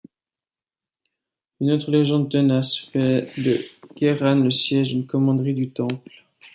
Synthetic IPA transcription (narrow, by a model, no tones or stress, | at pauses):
ynot̪χəleʒɑ̃d̪ət̪ənasfɛd̪əɡ̥ɛʁanləsjɛʒynkɔmɑ̃d̪ʁid̪yt̪ɑ̃pl